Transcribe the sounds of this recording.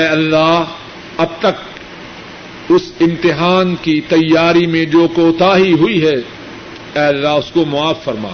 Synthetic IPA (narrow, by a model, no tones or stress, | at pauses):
ɛːɐlːaː | ɐb̚t̪ɐk̚ | ʊsɪ̃mt̪ɪɦaːnkit̪ɐjːaːɾimẽd͡ʒoːkoːt̪aːɦiɦʊiɦɛː | ɛːɐlːaːʊskomʊaːfːɐɾma̰ː